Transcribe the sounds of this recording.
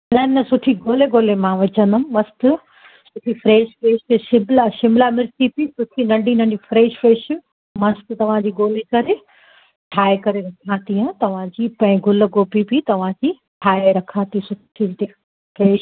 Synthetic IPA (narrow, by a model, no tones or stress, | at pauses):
nɐnɐsʊʈʰiɡoːleɡoːlemãʋɐt͡ɕə̃nd̪ʊmmɐst̪ɪ | sʊʈʰifɾeːʃfɾeːʃʃɪmlaʃɪmlamɪɾt̪ipisʊʈʰinɐɖʱinɐɖifɾeːʃfɾeːʃ | mɐst̪ɪt̪ɐʋ̤ãd͡ʑiːɡoːlekɐɾe | ʈʰaːekɐɾeɾɐkʰãːt̪iɦɐ̃t̪ɐʋ̤ãd͡ʑiːpɐ̃ɪ̃ɡʱʊl̆ɡoːpipit̪ɐʋ̤ãkiː | ʈʰaːeɾɐkʰãːt̪isʊʈʰit̪e | fɾeːʃ